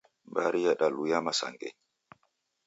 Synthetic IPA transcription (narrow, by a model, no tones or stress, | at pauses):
baɾijaɗalujamasa̰ŋɡɛ̰ɲ